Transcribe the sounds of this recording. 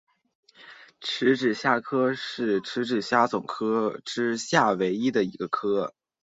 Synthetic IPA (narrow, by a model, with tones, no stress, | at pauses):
ʈ͡ʂʰɻ̩˧˥ʈ͡ʂɻ̩˨˩ɕja˥˩kʰɤ˥ʂɻ̩˥˩ʈ͡ʂʰɻ̩˧˥ʈ͡ʂɻ̩˨˩ɕja˥t͡sʊ˨˩ŋkʰɤ˥ʈ͡ʂɻ̩˥ɕja˥˩we˧˥ɪi˥d̪ə˨i˧˥ɡə˧kʰɤ˥